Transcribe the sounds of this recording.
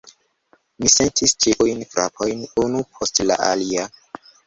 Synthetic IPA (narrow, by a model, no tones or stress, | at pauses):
misentʰist͡ʃiʔujnfɾa̰pʰojnunupʰostla̰ʔa̰lia